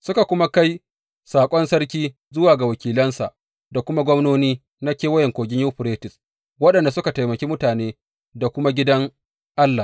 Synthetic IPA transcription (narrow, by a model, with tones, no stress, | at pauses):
sʊ˦ka˨kʷʊ˦ma˦ka˦j | saː˨kʷʼɔ˦nsɐ˦ɾkʲiː˦ | zʊ˦waː˨ɡa˨wɐ˨kʲiː˨lɐ˦nsa˨ʔ | da˨kʷʊ˦ma˦ɡʷɔ˦mnoː˦niː˦ | na˦kʲeː˦wɐ˦jɛ˨ŋkʷoː˨ɡʲɪ˦ɲjuː˦ɸʊ˨ɾeː˦tɪ˨s | wɐ˦ɗɐ˨nda˨sʊ˦ka˨ta˨jmɐ˨kʲiː˦mʊ˦taː˨neː˦ | da˨kʷʊ˦ma˦ɡʲɪ˦dɐ˦ŋ | ʔa˦lːa˨